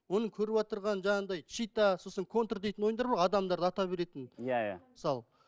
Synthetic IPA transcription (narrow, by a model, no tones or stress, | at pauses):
wo̞nəkʲʰɵɾɪpɑt̪əɾʁɑnʒɑɴɑɴd̪ɑjt͡ʃijt̪ɑsosəŋkʰo̞nt̪rd̪e̞jt̪ɪnwojənd̪ɑɾbɑɾɑd̪ɑmd̪ɑɾd̪əɑt̪ɑbe̞ɾe̞t̪ɪnjajaməsɑlˠ